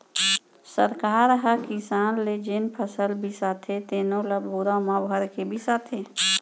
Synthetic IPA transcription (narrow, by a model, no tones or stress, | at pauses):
səɾkaːɾɦəkisaːnled͡ʒenpʰəsəlbʱisaːt̪ʰet̪eːnõlabuɾamabəɾkebʱisat̪ʰeː